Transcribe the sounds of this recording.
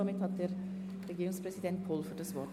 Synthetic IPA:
ɔmɪt̪ʰɑt̪əɾ | ɾɛɡɪuːnspʰɾɛsɪd̪ɛnt̪̚pʰɔːlfɔʈəsʋɔ

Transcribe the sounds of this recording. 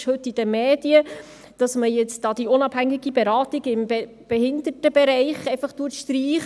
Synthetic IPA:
ʃhɵtːid̥əmeːd̥iə | d̥ɑsməjɛt͡sdɑːd̥̪iʊnɑb̥hæŋɪɡibɛɾɑːtiɡɪmɛ | b̥ɛhɪnd̪ətəbɛɾɛɪχeɪfɑχtuətʃtɾiːχ

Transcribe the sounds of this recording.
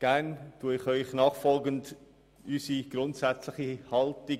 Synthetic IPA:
ɡ̥æntuəɪχœʏχnɑːχfɔlɡənt | ysiɡ̥ɾʊntsæt͡slɪχihɑltɪ

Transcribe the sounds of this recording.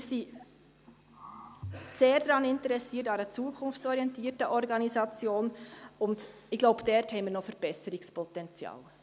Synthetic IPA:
mɪɾsi | seːɾdɾɑːnɪntəɾɛsiːətɑɾət͡suːəkʰʊnft͡sɔɾijɛntiːərtəʔɔrɡɑnizɑt͡sjoːnʊnd | ɪɡ̥loʊbd̥ɛrthɛɪnmiːɾnɔfəɾb̥ɛsəɾɪkspʰɔtɛnt͡sjɑ̰ːl

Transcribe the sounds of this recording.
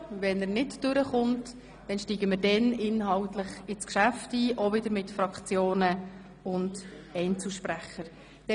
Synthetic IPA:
vɛnərnɪtd̥øɾəχʊnt | d̥ɛnʃtiːɡəməɾdɛnʔɪnɦɑltlɪχɪskʃæftiːʔovɪdəɾmɪtfrɑkt͡sjoːnə | ʊnd | ɛɪnt͡suʃpræχəɾ | d̥ɛ

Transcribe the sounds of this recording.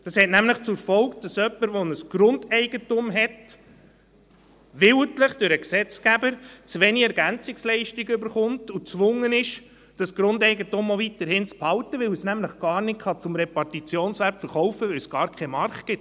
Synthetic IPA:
d̥ɑshɛtnæmləχt͡sʊɾfɔwkd̥ɑsœpːəɾʋɔnəsɡ̥ɾʊndɛɪɡ̥ətʊmɦɛt | ʋɪwtləχd̥ʊɾəksɛt͡skæbəɾt͡sʋeniɛɾɡænt͡sɪkslɛɪʃtiɡʏbəɾχʊmtut͡sʋʊŋːənɪʃ | d̥ɑsɡ̥ɾʊndɛɪɡətʊmɔʋitəɾɦɪnt͡sphɑwtəʋɪwəsnæmləχɡ̥ɑːɾrnɪtχɑt͡sʊmɾɛpɑrtit͡sjoːnsʋæɾpfəɾχɔwfəʋɛwsɡ̥ɑːɾkʰɛmɑɾχtɡ̥ɪt

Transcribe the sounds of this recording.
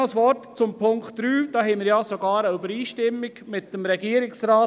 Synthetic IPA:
sʋɔtt͡sʊmpʰʊŋkχtɾyːd̥ɑːɦɛɪmɪɾjɑːsoɡɑːɾəybəɾiːʃtɪmːɪɡmɪtːəmɾɛɡiːəɾɪksɾaː

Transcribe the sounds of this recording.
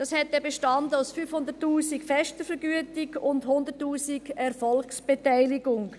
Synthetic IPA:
d̥ɑshɛt̚dɛbeʃtɑndəaʊsfyfhʊndəɾtːuːsikfɛʃtəfəɾɡyətɪɡʊndhʊnd̪ətːuːsiɡɛɾfɔlksb̥etaɪlɪɡʊŋ

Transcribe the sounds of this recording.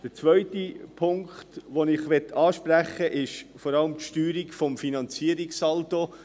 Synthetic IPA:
d̥ət͡sʋœʏtipʰʊŋkχtʋonɪχʋɛtːʰɑːʃpɾæχːəʔɪʃfɔɾɑləmtʃtyːɾikfɔmfinɑnt͡siəɾɪksɑlto

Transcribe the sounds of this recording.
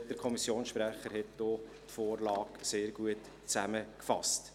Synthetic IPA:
d̥əɾkʰɔmisjoːnsʃpɾæχəɾhɛtd̥ɔ | tfoːɾlɑːkseːɾɡuət | t͡sæməkfɑ̰st

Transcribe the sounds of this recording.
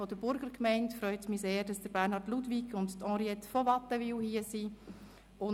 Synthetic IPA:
ɔdəbʊɾɡəɾkmɛɪntfɾœʏt͡smiseːd̥ɑsd̥əɾbæɾnhɑɾtludvikʰʊnttɑ̃ːɾiɛtfɔvɑtːəviwhiəsi | ʊ

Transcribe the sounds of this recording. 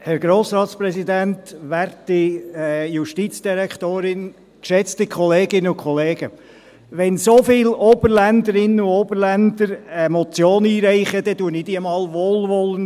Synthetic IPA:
hɛɾɡɾoːsɾɑːt̪sprɛsid̪æntʋæɾtɪɛjuʃtit͡sd̥iɾɛkχtoːɾɪn | kʃɛt͡stɪkʰχɔleːɡɪnəʊkʰχɔleːɡ̥ə | ʋɛnsofɪːlɔb̥əɾlænd̪əɾɪnəuobəɾlænd̪əɾɛmɔt͡sjoːniːɾɛɪχəd̥̪ɛduənɪd̥iəmɑːlʋoːlʋɔlːən

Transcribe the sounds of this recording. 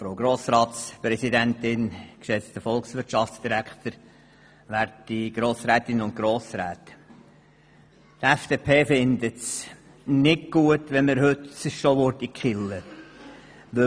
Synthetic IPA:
fɾoʊɡɾoːsɾɑːt̪spɾɛsid̪ɛntɪnkʃɛt͡st̪əfɔlksʋɪɾtʃɑftsd̥iɾækt̪əɾ | ʋæɾtiɡ̥ɾoːsɾæːt̪ɪnʊnt̚ɡ̥ɾoːsɾæːt̪ | t̪ɛfd̥eːpʰeːfɪnd̪ət̪s | nɪkɡ̥uətʋɛnməɾhɵt̪sɪʃʃoʋʊɾtikχɪlə | ʋɵ

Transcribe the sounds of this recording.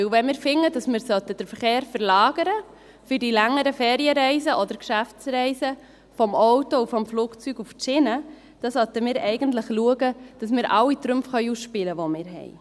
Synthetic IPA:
ɪwʋɛnmɪːɾfɪŋːədɑsmɪːɾsœtəd̥əɾfəɾχeːɾfəɾlɑːɡ̥əɾə | fyɾdilæŋːəɾəfɛːɾiəɾɛɪsəʔɔd̪əɾkʃæft͡sɾɛɪsə | fɔmɔʊtoufɔmfluːkt͡syɡuft͡ʃɪnə | d̥ɑsœt̪əmɪːɾɛɪɡəntləχluəɡəd̥ɑsmɪːɾʔɑwit̪ɾʉmfχœʏusʃpɪləʋomɪːɾɦɛ̰ɪ

